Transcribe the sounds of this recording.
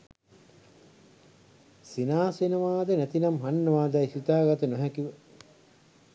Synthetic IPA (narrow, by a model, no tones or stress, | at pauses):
sinaːsenəʋaːd̪ənæt̪inɐmɦanːəʋaːd̪æisit̪aːɡat̪ənoɦækiʋə